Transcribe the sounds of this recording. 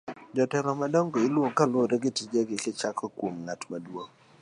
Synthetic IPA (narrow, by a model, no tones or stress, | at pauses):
d͡ʒɔtɛɾɔmadɔŋɡɔɪlwokːaloɾɛɡɪtid͡ʒeɡɪkɪt͡ʃakʰɔkwomŋatmadwoŋ